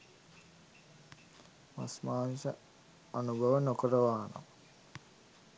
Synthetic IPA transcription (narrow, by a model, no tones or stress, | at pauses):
ma̰smaːnsə | anubʱəʋənokəɾəʋaːno̰m